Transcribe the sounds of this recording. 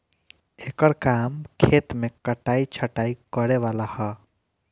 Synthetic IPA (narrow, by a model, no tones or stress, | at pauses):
ekəɾkamkʰet̪mekəʈait͡ʃʰəʈaikəɾeʋalahɔ